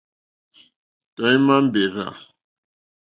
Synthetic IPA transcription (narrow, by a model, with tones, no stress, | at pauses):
tɔ˨i˦ma˦m̩˦be˨ɾa̰˨